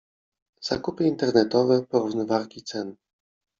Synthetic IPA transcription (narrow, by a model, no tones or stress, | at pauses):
z̥a̰kupɘint̪ɛɾnɛt̪ɔvɛpɔɾuvnɔvaɾkʲit̪sɛn